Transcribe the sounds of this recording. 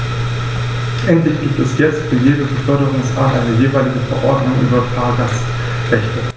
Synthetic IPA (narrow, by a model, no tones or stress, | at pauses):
ʔɛntlɪçɡ̥iːp̚tɛsjɛt͡stfyːɐjeːdəbəfœɐɾəʁʊŋsʁaːtʔaɪnəjeːvaɪlɪɡəfɛɐʔɔɐdnʊŋʔy̰ːbɐtʰaːɐɡas | ʁɛçtʰə